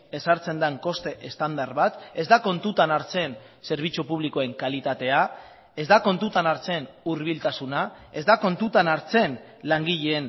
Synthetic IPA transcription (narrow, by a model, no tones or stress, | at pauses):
e̞saɾt͡se̞nd̪aŋko̞st̪e̞ʔest̪and̪aɾβat̪e̞zd̪ako̞nt̪ut̪anaɾt͡se̞n | se̞ɾβ̞it͡supuβ̞liko̞eŋkalit̪at̪e̞a | e̞zd̪ako̞nt̪ut̪anaɾt͡se̞nuɾβ̞ilt̪asuna | e̞zd̪ako̞nt̪ut̪anaɾt͡se̞n | laŋɡiʎeːn